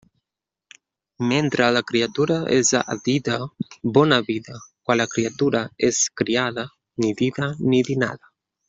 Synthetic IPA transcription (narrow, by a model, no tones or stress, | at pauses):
mɛnt̪ɾʔalakɾiat̪uɾaɛza̰d̪id̪abɔnabiðakwalakɾiat̪uɾaɛskɾiaða | nid̪iðanid̪ina̰ða